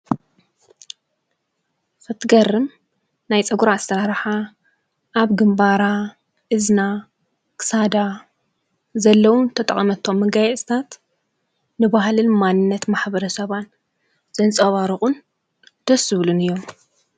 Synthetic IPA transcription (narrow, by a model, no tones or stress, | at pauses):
kɨt̪ʰɨɡɐrːɨm | najt͡sʼɐɡuɾaːst̪ɐɾaɾħa | ʔaβɡɨmbaɾa | ʔɨzna | kɨ̥sad̪a | zɐlːɐwunt̪ʰɐt̪ʼɐ̰χʼɐmɐt̪ʰːo̞mːɨɡajɛst̪ʰat̪ | nɨbaɦlɨnmanːɨnːɐt̪maħbɐɾɐsɐβan | z̥ɐnt͡sʼɐβaɾɨχʼun | d̪̥ɐsɨβlunɨjːo̞m